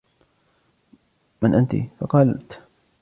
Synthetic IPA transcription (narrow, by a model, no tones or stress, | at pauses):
manʔant̪ḭfɑqɑːlt̪